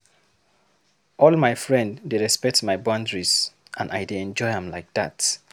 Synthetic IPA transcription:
ɔlmaɪfɹɛ̃ndːeɹɛspɛk̚tmaɪbãndɹizʔãna̰jdeɛ̃nd͡ʒɔɪhɛ̃mlaɪk̚ðat

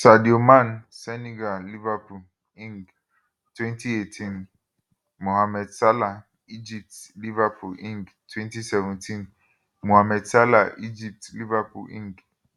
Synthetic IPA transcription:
sadiomãnsɛniɡalivapʰu | ĩŋɡ | tʰwɛ̃ntʰietʰĩn | mɔ̃hamɛdsala | id͡ʒip̚tlivapʰulĩŋɡ | tʰwɛ̃ntʰisɛvɛ̃ntʰĩn | mɔ̃hamɛdsala̰id͡ʒip̚tlivapʰṵlʔḭ̃ŋɡ

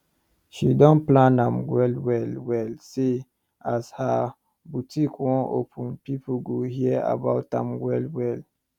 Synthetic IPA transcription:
ʃidɔ̃nplãnãmwɛlwɛlwɛlse | asha | butʰikwɔ̃ʔopʰə̃npipɡohiəa̰baʊtãmwɛlwɛl

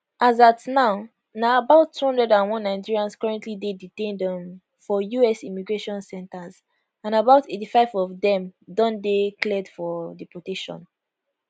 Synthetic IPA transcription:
ʔazatnaʊ | naabaʊtʰːuhɔ̃ndɹɛdãnwɔ̃nːaɪd͡ʒiɹiãnskɔɹɛ̃ntʰlideditẽndɛ̃m | fɔjuɛsimiɡɹeʃɔ̃nsɛ̃ntaz | ãnabaʊtetifaɪvɔvdɛ̃mdɔ̃ndeklɛdfɔdipɔteʃɔ̰̃n

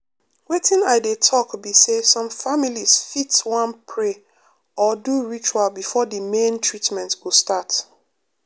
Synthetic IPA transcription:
wetĩnaɪdetʰɔkbisesɔ̃mfamiliz̥fitwãnpʰɹe | ɔduɹit͡ʃualbifɔdimẽntʰɹitmɛ̃ntwilstat

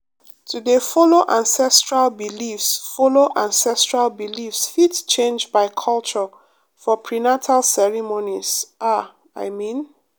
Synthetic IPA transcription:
tʰudefɔloʔãnsɛstɹalbilifsfɔloʔãnsɛstɹalbilifsfitt͡ʃẽnd͡ʒbaɪkʰɔlˠt͡ʃɔ | fɔpʰɹinatʰalsɛɹimoniz̥ʔa | a̰ɪmĩn

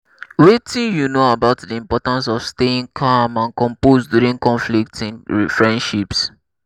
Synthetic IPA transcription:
wetĩnjunoabaʊtdiĩmpɔtãns̬ɔfsteĩŋkʰamãnkɔ̃mposdjuɹĩŋkɔ̃nflik̚tĩnɹifɹɛ̃ndʃips

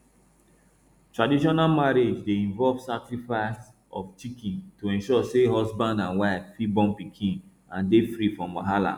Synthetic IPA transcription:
tɹadiʃ̬ɔnamaɹed͡ʒdeĩɱvɔlvsakɹifaɪs | ɔft͡ʃikĩntoɛ̃nʃɔseɦɔsbãndãnwaɪffibɔ̃npikʰĩn | ãndefɹifɹɔ̃maɦala̰

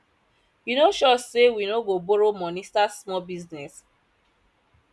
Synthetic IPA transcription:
junoʃɔsewinoɡoboɾomɔnistasmɔbiznɛs

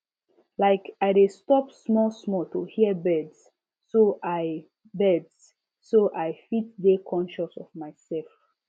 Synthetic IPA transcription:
laɪkaɪdestɔpsmɔlsmɔltuhiəbɛdsː | oʔaɪ | bɛds | soʔajfit̚dekʰɔ̃nʃasɔvmaɪsɛlf

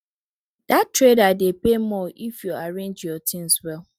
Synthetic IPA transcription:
d̥attːɹedadepemɔʔifjuaɹẽnd͡ʒjɔtʰɪ̃nswɛl

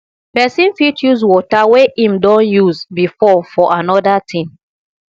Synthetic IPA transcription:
pɛsĩnfitjuzwɔtaweʔĩmdɔ̃njuzbifɔfɔʔanɔdatʰĩm

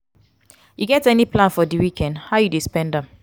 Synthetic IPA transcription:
juɡɛtɛniplãnfɔdiwikɛ̃ndhaʊjudespɛ̃ndɛ̃m

